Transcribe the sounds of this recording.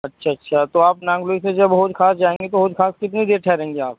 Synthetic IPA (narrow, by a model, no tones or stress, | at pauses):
ɐtːʃʰaɐtːʃʰat̪oaːpnãːŋɡloːised͡ʒɐbɦoːd͡ʒkʰaːsd͡ʒaːẽːŋɡet̪oɦoːd͡ʒkʰaːskɪt̪nid̪eːɾʈʰɛːɾẽːŋɡeaːp̚